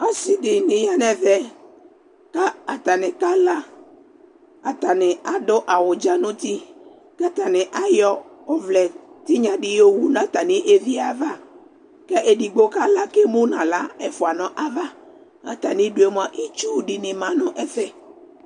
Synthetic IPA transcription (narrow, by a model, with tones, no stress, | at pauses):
a˦si˨dɪ˨nɪ˨ja˦nɛ̃˨vɛ˨ | ka˦a˨t̪a˨nɪ˨ka˦la˦ | a˨t̪a˨nɪ˨a˨do˦ʔa˨wʊ˨d͡ʒa˦nʊ̃˦t̪i˦ | ka˦t̪a˨nɪ̃˨ʔa˦jɔ˦ɔ˦vlɛ˨t̪i˦ɲã˨ɖɪ˦jo˦wu˦nã˨t̪a˨nɪ̃˦ʔe˦vi˦a˨va˦ | kɛ˦ʔe˨ɖi˨ɡ͡bo˦ka˦la˦ke˦mo˦nã˨la˦ɛ˨fʊ˨a˨nɔ̃˨ʔa˦va˦ | a̰˨t̪a˨nɪ̃˦ɖʊ˦e˦m˦a˨ʔi˦t͡ʃu˦ɖɪ˨nɪ̃˨mã˨nʊ̃˦ʔɛ˦fɛ˦